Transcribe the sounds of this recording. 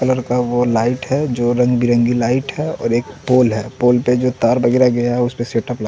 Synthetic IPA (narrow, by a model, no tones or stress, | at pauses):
kɐləɾkaʋolaːɪʈɦɛd͡ʒoːɾɐ̃ŋɡbʱiɾə̃ŋɡilaːɪʈɦɛɔ̰ːɾeːkpoːlɦɛːpoːlped͡ʒoːt̪aːɾbɐɡeːɾaɡɐjaɦɛʊspeseːʈəpla